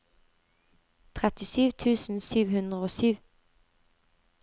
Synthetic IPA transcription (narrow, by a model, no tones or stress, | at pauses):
t̪ʰʁɛt̪ɪsyːʋt̪ʰʉːsn̩syːʋhʉnd̪ʁəoːsyːʋ